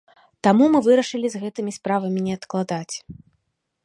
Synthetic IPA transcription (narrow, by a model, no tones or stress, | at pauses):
t̪amumɨvɨɾɐʂɨlʲizɣɛt̪ɨmʲispɾavɐmʲinʲɛɐt̪klˠad̪at͡sʲ